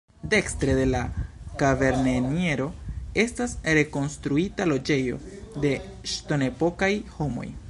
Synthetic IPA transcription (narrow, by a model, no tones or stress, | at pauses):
de̞kstɾe̞de̞lakave̞ɾnenie̞ɾo̞e̞stasɾe̞ko̞nst̪ɾuitalo̞d͡ʒe̞jo̞̰ | de̞ | ʃto̞ne̞po̞kajho̞mo̞̰j